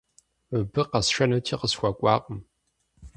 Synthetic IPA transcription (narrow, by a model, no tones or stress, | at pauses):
ɨbɨqɐsʃɐnɐtʰiːqəsxʷɐkʷʼɑːqʼəm